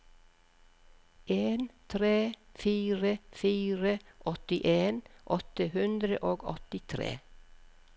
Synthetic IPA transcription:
ʔeːnt̪ʰɾeːfiːɾəfiːɾəʔɔt̪ɪʔeːnʔɔt̪əhʉnd̪ɾəʔoːɡɔ̰t̪ɪt̪ʰɾḛː

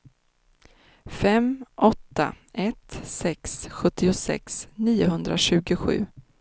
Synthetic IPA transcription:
fɛmʔɔt̪ːa̰ | ʔɛt̪sɛksɧɵt̪ːɪʊsɛ̰ksniːʊɦɵnd̪ɾaɕʉ̟ːɡʊɧʉ̟ː

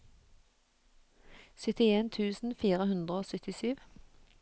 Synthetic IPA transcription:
sʏt̪ɪeːnt̪ʰʉːsn̩fiːʁəhʉnd̪ʁəoːsœt̪ɪsyːʋ

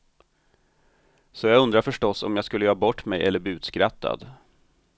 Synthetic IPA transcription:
sɔjɑːɡɵnd̪ɾaɾfœʂʈɔsɔ̰mjaːɡskɵlːəjɑːbɔʈːmɛjʔɛ̰lːəb̪iːʉ̟ːt̪skɾat̪ʰːa̰d̪

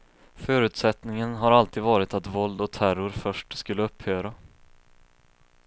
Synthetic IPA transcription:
fœːɾʉ̟ːt̪sɛt̪nɪŋənɦaɾalt̪ʰiːd̪vɑːɾɪt̪at̪vɔld̪ɔt̪ʰæɾʊɾfœʂʈskɵlːəɵphøːɾa

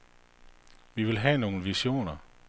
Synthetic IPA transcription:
ʋiʋe̝lɦɛno̝ːn̩ʋiɕo̝̰ːnɐ

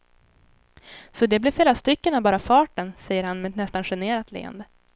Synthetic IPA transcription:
sɔd̪ɛblɪɾfleːɾast̪ʏkːənavbɑːɾafɑːʈənsɛjːəɾhanmɛɛt̪nɛst̪anɧɛneːɾat̪ʰlḛːə̰nd̪ə

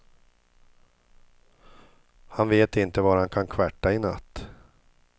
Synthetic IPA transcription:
hanveːt̪ɪnt̪əvaɾhankʰankʰvaʈːaɪna̰t̪ː

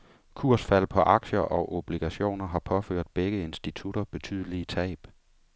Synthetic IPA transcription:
kʰuɐ̰sfæl̰pʰɒ̽ʔɑ̈ɡ̥ɕɐʔɒ̽ʔob̥liɡ̥æɕo̝̰ːnɐɦɑ̈pʰɒ̽føɐ̰d̥b̥eɡ̥əe̝nsd̥it͡sʰuɾɐb̥e̝t͡sʰyð̞̰ˠəlit͡sʰɛ̰ːb̥

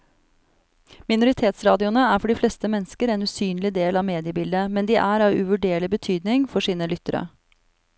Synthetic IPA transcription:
mɪnʊɾɪt̪ʰeːt̪sɾɑːd̪ɪʊnəæːɾfɔɖiːfleːst̪əmɛnskəɾɛːnʉːsyːnlɪd̪eːlɑːʋmeːd̪ɪəbɪld̪əmɛnd̪iːʔæːɾɑːʋʉ̰ʋʉɖeːɭɪbət̪ʰyːd̪nɪŋfɔʂiːnəlʏt̪əɾə̰

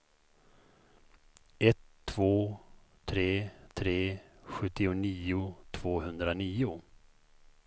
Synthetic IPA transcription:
ɛt̪ʰːv̥oːt̪ʰɾeːt̪ʰɾeːɧɵt̪ːɪʊniːʊt̪ʰv̥oːhɵnd̪ɾaniːʊ

